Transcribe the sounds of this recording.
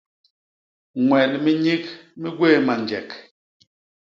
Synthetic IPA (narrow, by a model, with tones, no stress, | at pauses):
ŋwɛ˨lmi˦ɲi˦k̚mi˦ɡwe˦˨ma˨nd͡ʒɛ˨k